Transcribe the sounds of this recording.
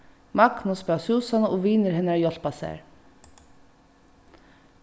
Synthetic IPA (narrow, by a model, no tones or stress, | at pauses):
mɑknʊsbɑsuːsɑnəʔoːʋiːnəɾhɛnæːɹjɔt̪pɑsæ̰ːɹ